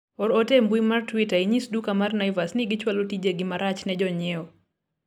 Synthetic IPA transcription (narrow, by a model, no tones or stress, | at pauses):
ɔɾɔtembwimartwitaiɲisdukamarnajvasnɪɡɪt͡ʃwalotid͡ʒeɡɪmaɾat͡ʃnɛd͡ʒɔɲɛɔ